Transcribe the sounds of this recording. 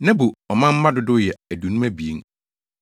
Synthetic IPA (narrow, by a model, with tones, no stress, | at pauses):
nã˦bo˨ɔ˨mã˦m̩˦mã˦dʊ˨˦dʊ˦jɛ˨æ˨du˨nũ˦mæ˦bi˨e˦ŋ